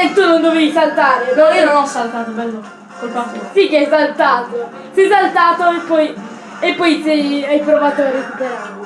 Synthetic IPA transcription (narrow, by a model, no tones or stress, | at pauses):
et̪ːunond̪ovevisalt̪aːɾeɔiːononɔsːalt̪aːt̪obɛlːo | kelpasosikeɛsalt̪aːt̪o | sɛjsalt̪aːt̪oepːɔj | epːɔjsɛjajpɾovaːt̪oɾet̪ut̪eɾa